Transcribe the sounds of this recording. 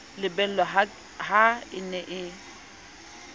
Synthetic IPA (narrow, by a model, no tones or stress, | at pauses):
lɪbɛl̩lɔ | ɦaɪnɛʔɪ